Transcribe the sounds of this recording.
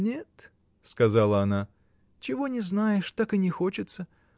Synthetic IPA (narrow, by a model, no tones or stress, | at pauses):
nʲet̪ | skɐzalˠəɐna | t͡ɕɪvo̞nʲɪznajɪʂt̪akɨnʲɪxo̞t͡ɕɪt̪sə